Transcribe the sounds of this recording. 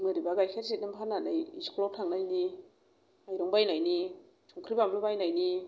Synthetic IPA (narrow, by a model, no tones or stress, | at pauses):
mɯɾibaɡajkʰeɾsit̚nɯmpʰananajiskʰolɔtʰaŋnajni | ajɾɔŋbajnajni | tʰuŋkʰɾibamlubajnajni